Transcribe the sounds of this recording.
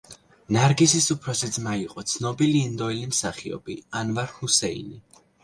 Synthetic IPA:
naɾɡisisupʰɾɔsid̪zmaiqʼɔt̪sʰnɔbiliːnd̪ɔɛlimsaχiɔ̰b̥ianvaɾhusɛḭni

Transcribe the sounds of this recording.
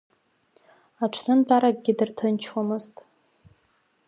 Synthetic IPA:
aʈ͡ʂʰnɨnbʰʷaɾak̚ʼɡʲɪdɨrtʰɨnt͡ʃʰwamɨztʼ

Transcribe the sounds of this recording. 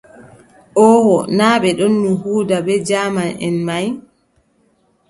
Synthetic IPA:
ʔɔwɔnaːɓɛɗonːuhuːdabɛd͡ʒaːmanɛ̰nmaj

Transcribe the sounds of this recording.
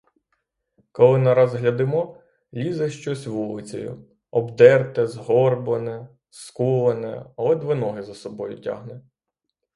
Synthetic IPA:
kɔlˠɪnɐɾɑzɦlʲɐd̪ɪmɔ | lʲizɛʃt͡ʃɔsʲʋulˠɪt͡sʲɔ̰jʊ̰ | ɔbd̪ɛrt̪ɛzɦɔrbɔnɛ | skulˠɐnɛ̰ɐlˠɛd̪ʋɪnɔɦɪzɐsɔbɔjʊtʲa̰ɦnɛ

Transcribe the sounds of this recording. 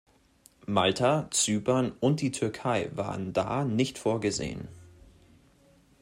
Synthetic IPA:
maltʰat͡syːpɐnʊnt̚d̥iːtʰʏɐkʰaɪva̰ːʁənda̰ːnɪçtfoːɐɡəzḛːə̰n

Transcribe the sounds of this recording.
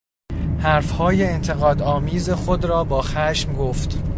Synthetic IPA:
hæɾfhɒːje̞ːnt̪ʰeɣɒːd̪ɒːmiːzexod̪ɾɒːbɒːxæːʃmɡoːft̪

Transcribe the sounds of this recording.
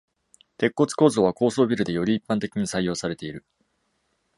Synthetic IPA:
t̪e̞kːo̞t͡sɨ̥ko̞ːzo̞ːβako̞ːso̞ːbʲiɾɯ̟d̪e̞jo̞ɾʲiːpːãnt̪e̞kʲiɲ̟isaijo̞ːsaɾe̞t̪e̞iɾɯ̟

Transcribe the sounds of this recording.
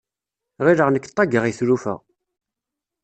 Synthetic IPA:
ʁiɾəʁnəkːt̪ˤːɑɡəʁiθɾufə̰ʁ

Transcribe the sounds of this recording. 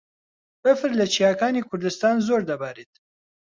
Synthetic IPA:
bəfɨɾlɐt͡ʃʰijaːkaːniːkʰʊɾd̪ɨst̪aːnzoɾd̪ɐbaːɾit̪

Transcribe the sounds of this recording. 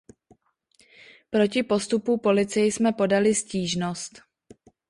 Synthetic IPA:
pɾo̞cɪpo̞st̪upupo̞lɪt͡sɪjɪsmɛpo̞dalɪsciːʒno̞st̪

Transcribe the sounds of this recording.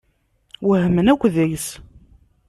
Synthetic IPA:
wəhəmənækʷːðæjəs

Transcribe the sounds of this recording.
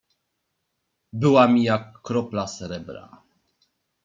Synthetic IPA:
bɘwamʲijakːɾɔplasɛɾɛbɾa̰

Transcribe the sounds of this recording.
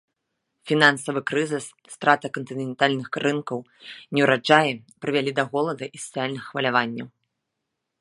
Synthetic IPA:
fʲinansɐvɨkɾɨzɨsːt̪ɾʔat̪ɐkɐnt̪ɨnʲɛnt̪alʲnɨxrɨnkɐw | nʲɛwɾad͡ʐajɛpɾɨvʲalʲid̪ɐɣɔlˠɐd̪ɐʔisɐ̥sɨjalʲnɨxːvɐlʲavanʲːɐw

